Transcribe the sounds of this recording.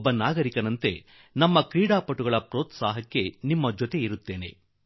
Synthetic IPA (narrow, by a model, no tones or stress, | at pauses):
bːɐnaːɡɐɾikɐnɐnt̪e̞ | nɐmːɐkɾiːɽaːpɐʈuɡɐɭɐpɾoːt̪saːɦɐkːe̞nimːɐd͡ʒot̪e̞iɾut̪ːe̞ːne̞̰